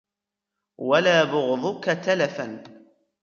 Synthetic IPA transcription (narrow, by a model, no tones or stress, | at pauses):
walaːbʊɣðˤʊkat̪alafan